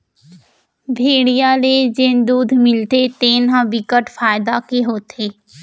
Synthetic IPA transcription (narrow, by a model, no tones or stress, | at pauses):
bʱeːɽijaled͡ʒeːnd̪uːd̪ʱmɪlt̪et̪eːnɦãbɪkəʈfʰaːjd̪akeɦoːt̪eː